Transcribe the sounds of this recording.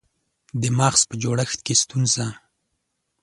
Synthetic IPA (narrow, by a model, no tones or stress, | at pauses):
d̪əmɑxspəd͡ʒoɽaxt̪̚kest̪unza